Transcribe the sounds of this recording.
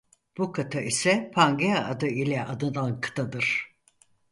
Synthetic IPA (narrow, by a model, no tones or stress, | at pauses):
b̥ukʰat̪ʰaisɛpʰaŋɡeaʔad̪ɯilʲɛʔad̪ɯnd̪ankʰɯ̥t̪ʰad̪ɯɾ̥